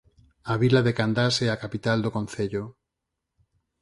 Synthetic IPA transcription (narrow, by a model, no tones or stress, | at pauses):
aβilaðekand̪asɛakapit̪ald̪okon̟θeʎo